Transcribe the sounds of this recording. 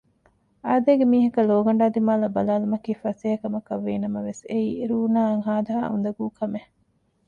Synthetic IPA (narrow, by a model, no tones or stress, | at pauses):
ʔaːd̪eːɡemiːɦɐkɐloːɡɐɳ̆ɖaːd̪imaːlɐbɐlaːlumɐkiːfɐseːɦɐkɐmɐkɐʋːeːnɐmɐʋeseiːɾuːnaːɐŋɦaːd̪ɐɦa̰ːṵnd̪ɐɡuːkɐme